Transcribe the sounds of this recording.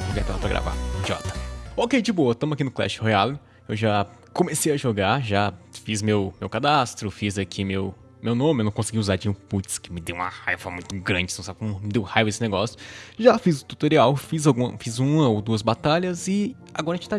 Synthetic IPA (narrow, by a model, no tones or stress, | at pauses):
ɡɛt̪ɛla̰pɾɐɡɾa̰va̰d͡ʒiɔ̰t̪ɐ̥okejd͡ʒɪboɐt̪ɐ̃mʊakinʊklɛ̰ʃhealɪ | ewʒa | kõmesejɐʒoɡaɾʒafizmewmewkad̪ast̪ɾʊfizakʰimew | mewnõmɪwnɐ̃kõsɪɡiuzad͡ʒĩʊput͡ʃskɪmɪd̪ewũɐ̰ha̰jvɐmũj̃t̪ʊɡɾɐ̃d͡ʒɪnɐ̃w̃sabɪkõmʊmɪd̪ewʊhajvɐesɪneɡɔsjʊ̥ʒafizʊt̪u̥t̪oɾiawfizawɡũɐ̰fizũmɐowd̪uɐzbat̪aʎɐzɪ | a̰ɡɔɾɐẽt͡ʃt̪a